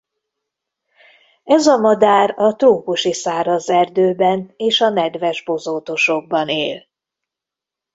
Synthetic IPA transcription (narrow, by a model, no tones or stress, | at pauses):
ɛzɒmɒd̪aːɾɒt̪roːkuʃisaːɾɒzɛrd̪øːbɛneːʃɒnɛd̪vɛʒbo̞zoːt̪o̞ʃoɡ̚bɒnḛːl